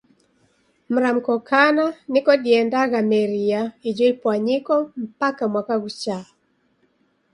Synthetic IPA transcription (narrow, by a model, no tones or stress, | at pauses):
m̩ɾam̩kɔkʰananikɔɗiɛndaɣamɛɾiaid͡ʒɔipwaɲikɔm̩pakamwakaɣut͡ʃa